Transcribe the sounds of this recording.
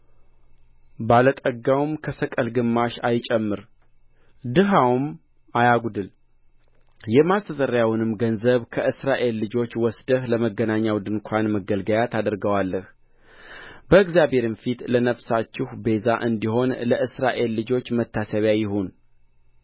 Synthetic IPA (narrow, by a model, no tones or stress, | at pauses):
balət̪ʼəɡawmkʰəsəkʼəlɡɨmːaʃa̰jt͡ʃʼɛmːɨɾ | d̪ɨɦawm | ajaɡud̪ɨl | jɛmast̪ʰət̪ʼəɾjawnɨmɡənzəβkʰəʔɨsɾaʔe̞lːɨd͡ʒo̞t͡ʃːwɔsd̪əhləməɡːənaɲːawd̪ɨnkʷʰanməɡəlɡəjat̪ʰad̪ɾɡəwalːəh | bəɨɡzjaβe̞ɾɨnfit̪lənəfsat͡ʃːɪhbe̞zaʔɨnd̪iɦo̞nləɨsɾaʔe̞lːɨd͡ʒo̞t͡ʃːmət̪ʰːasəβjajɪɦun